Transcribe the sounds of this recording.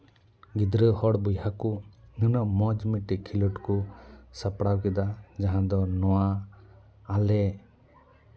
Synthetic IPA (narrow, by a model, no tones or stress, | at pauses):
ɡid̪ɾəhɔɽbujɦakunənɔmɔd͡ʒmiʈikʰːiluʈkusapɽawkid̪ad͡ʒaɦãd̪ɔnɔwaː | lɛ